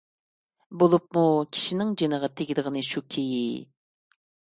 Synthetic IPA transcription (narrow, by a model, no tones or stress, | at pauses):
bolˠup̚mukʲʰi̥ʃinɪŋd͡ʒenəʁɑt̪ʰeɡʲid̪əʁənɨʃukʲʰeji